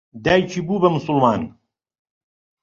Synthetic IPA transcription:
d̪æːjt͡ʃʰiːbuːbɐmʊsʊlˠmɑːn

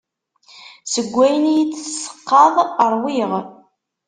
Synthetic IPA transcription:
səɡʷːæjənijit͡sːsːə̥qːɑðˤəɾˤwiʁ

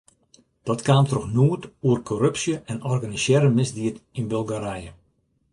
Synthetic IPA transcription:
d̥ɔtkaːmtrɔxnuətuərkʰɔɾøpsjəʔɛnɔrɡanisjɛːɾəmɪzdiətɪnbølˠɡaɾɛjə

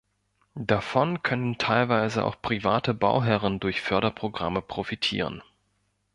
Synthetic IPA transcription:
dafɔnkʰœnəntʰaɪlvaɪzəʔa̰ʊxpʁ̥ivaːtəba̰ʊɦɛʁəndʊɐçfœɐɾɐpʁ̥oɡʁaməpʁ̥ofitʰḭːʁ̞ə̰n

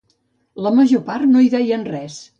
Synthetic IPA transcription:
ləməʒoparnoiðɛjənrɛs

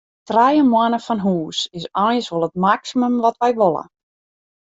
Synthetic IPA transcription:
trajəmwanəfɔnɦuːsɪsɔjsʋolˠət̚maksiməmʋɔtʋɛjʋolˠə̰

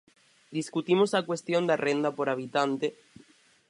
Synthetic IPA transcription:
d̪iskut̪imosakwe̞st̪jo̞nd̪arend̪apo̞ɾaβ̞it̪ant̪e

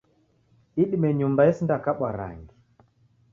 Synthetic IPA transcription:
iɗimɛɲumbaɛsindakaɓwaɾa̰ŋɡi

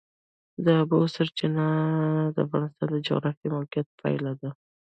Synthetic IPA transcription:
d̪əbosəɾt͡ʃɪnad̪əafɣɑnɪst̪ɑnd̪əd͡ʒʊ̰ɣɾafimalqijat̪̚pʰa̰jlad̪a

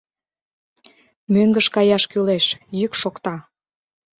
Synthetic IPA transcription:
møŋɡəʃkɑjɑʃkyleʃjykʃokt̪ɑ

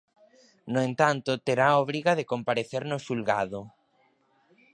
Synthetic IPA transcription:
noẽnt̪ant̪ʊt̪eɾaɔβɾiɣaðekompaɾeθeɾnʊsulɣaðʊ

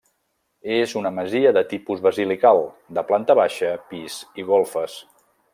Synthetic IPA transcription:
ezunəməziəðət̪ipuzβəzilikalˠd̪əplant̪əβ̞aʃəpiziɣolˠfəs

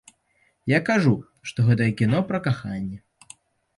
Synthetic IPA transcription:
jakaʐu | ʂt̪ɔɣɛt̪ɐjɛkʲinɔpɾɐkaxanʲːɛ

